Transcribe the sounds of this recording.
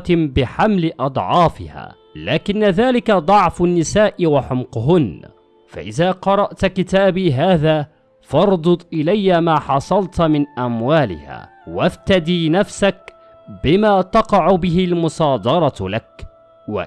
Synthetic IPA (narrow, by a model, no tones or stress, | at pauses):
bɪħamlɪʔɑd̪ˤʕɑːfɪ̰ha̰ː | laːkɪnːaðaːlɪkad̪ˤɑʕfʊnːɪsaːʔɪwaħʊmqʊɦʊn | fa̰ʔɪðaːqɑɾˤɑʔt̪kɪt̪aːbiːɦaːðaː | fɑɾˤd̪ˤʊt̪ˤʔɪlajːamaːħɑsˤɑlt̪mɪnʔamwaːlɪ̰ha̰ː | wabt̪ad̪iːnafsak̚ | bɪmaːt̪ɑqɑʕʊbɪɦɪlmʊsˤɑːd̪ˤɑɾˤɑlak | wa̰